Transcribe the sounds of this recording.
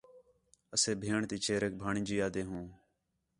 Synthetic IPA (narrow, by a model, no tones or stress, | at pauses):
əseːbʱeːɳt̪iːt͡ʃʰeːɾək̚bʱaːɳĩːd͡ʒiːaːd̪eːɦũː